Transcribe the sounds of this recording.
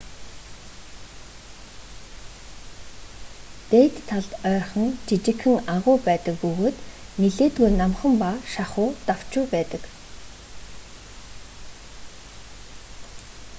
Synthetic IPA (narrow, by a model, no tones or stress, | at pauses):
t̪eːt̪ʰːaɮt̪œːrχə̆ŋt͡ɕit͡ɕɪ̆kːɘ̆ŋaʁʊːpæːt̪ə̆kɡuɣoːt̪ | niɮeːt̪ɡujnamχə̆mpaːʃaχʊːt̪aw̥t͡ɕʊːpæːt̪ə̆k